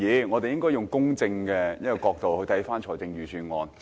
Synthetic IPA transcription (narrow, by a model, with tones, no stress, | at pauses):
iː˨˧ŋɔː˨˧t̪e˨jɪ˥ŋkɔː˥jʊ˨˩ŋkʊ˥ŋt͡sɪ˧ŋkɛː˧jɐ˥kɔ˨˧kɔː˧k̚t̪o˨whɵ˧ɥt̪ʰjfaː˥nt͡ʃʰɔː˨˩jt͡sɪ˧ŋjyː˨˩syː˨˧nŋɔː˨˧n